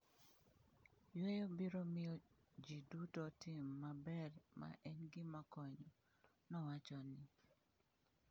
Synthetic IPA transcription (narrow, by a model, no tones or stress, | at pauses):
jwɛjobiɾomɪjɔ | d͡ʒidutɔtimːabɛrma̰ʔɛnɡɪmakɔɲɔ | nɔwat͡ʃɔnɪ